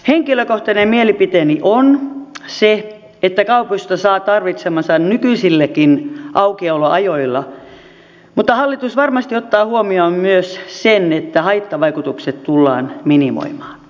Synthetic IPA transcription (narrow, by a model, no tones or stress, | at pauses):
heŋkiløkoht̪ɑnemmielipit̪eniʔonse | et̪ːækɑupust̪ɑsɑːt̪ɑrʋit̪semɑsɑnnykysilːekinʔɑukioloʔɑjoilːɑ | mut̪ːɑhɑlːit̪usʋɑrmɑst̪iot̪ːɑːhuomiommyøssenet̪ːæhɑit̪ːɑʋɑikut̪ukset̪t̪ulːɑ̰ːnminimo̰imɑːn